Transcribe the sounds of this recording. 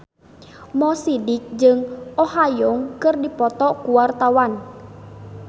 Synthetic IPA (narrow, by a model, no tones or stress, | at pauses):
mɔsidɪk̚d͡ʒɨŋɔhajɔŋkɨrdipɔt̪ɔkuwart̪awan